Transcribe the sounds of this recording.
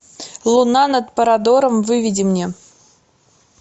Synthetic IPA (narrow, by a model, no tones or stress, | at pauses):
lˠunɑnat̪pəɾad̪oɾəmvɨvʲidʲimnʲe